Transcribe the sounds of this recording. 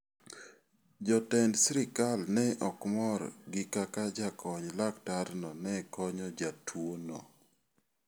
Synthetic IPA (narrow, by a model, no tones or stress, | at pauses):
d͡ʒɔtɛndsɾɪkalnɛʔɔkmɔɾɡɪkakad͡ʒakʰɔɲlaktaɾnɔnɛkɔɲɔd͡ʒatʰwonɔ̰